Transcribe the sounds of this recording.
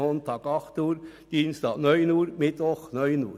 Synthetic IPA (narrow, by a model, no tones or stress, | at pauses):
ɔnt̪ʰɑːkɑχt̪uːɾd̪̥iːnst̪ɑ̰ːnœʏnuːɾmɪt̪ʋɔχnœʏnṵːɾ